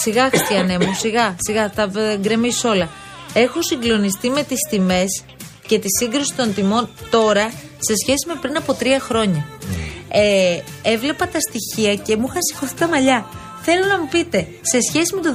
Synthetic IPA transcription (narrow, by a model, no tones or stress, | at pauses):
siɣɐxist̪iɐne̞musiɣɐsiɣɐθɐŋɡɾe̞miso̞lɐ | e̞xo̞siŋɡlo̞nist̪ime̞t̪ist̪ime̞s | ce̞t̪isiŋɡɾusi̥t̪o̞nt̪imo̞nt̪o̞ɾɐ | se̞sçe̞sime̞pɾinɐpo̞t̪ɾiɐxɾo̞ɲɐ | ee̞vle̞pɐt̪ɐst̪içiɐce̞muxɐsi̥xo̞θik̪ɐmɐʎɐ | θe̞lo̞nɐmupit̪e̞ | se̞sçe̞sime̞t̪o